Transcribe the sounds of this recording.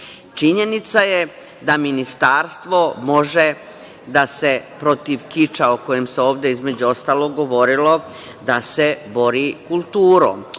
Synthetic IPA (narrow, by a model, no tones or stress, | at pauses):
t͡ʃiɲe̞nit̪saje | d̪aminist̪aːɾst̪ʋo̞mo̞ʒe̞ | d̪ase̞pɾo̞t̪iʋkit͡ʃaoko̞jemse̞o̞ːʋd̪e̞izme̞d͡ʑuo̞st̪aːlo̞ɡɡo̞ʋo̞ɾilo̞ | d̪ase̞bo̞ɾikulˠt̪uːɾo̰m